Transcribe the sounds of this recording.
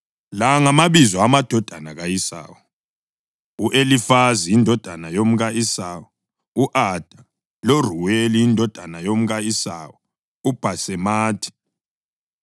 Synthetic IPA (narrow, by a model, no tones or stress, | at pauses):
laŋamaβizɔamad̥ʱɔd̥ʱanaɣajisa̰ːwɔ | uʔelifaziindʱɔd̥ʱanajom̩ɣaisaːwɔ | uʔad̥ʱa | loruweliːndʱɔd̥ʱanajom̩ɣaisawɔ | ub̥ʱasɛmaːtʰi̥